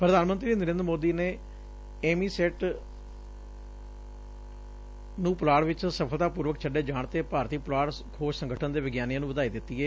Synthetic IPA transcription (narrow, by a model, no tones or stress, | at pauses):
pɾəd̪aːnmənt̪ɾiːnəɾẽːnd̪ɾmoːd̪iːneː | eːmiːseːʈ | nũːpʊlaːɽʋɪt͡ʃsəpʰəlt̪aːpuːɾʋəkt͡ʃʰəɖeːd͡ʒãːɳt̪eːpaːɾt̪iːpʊlaːɽ | kʰoːʃsə̃ŋɡəʈʰənd̪eːʋɪɡjaːnijãːnũʋəd̪aːiːd̪ɪt̪ːiːɦɛː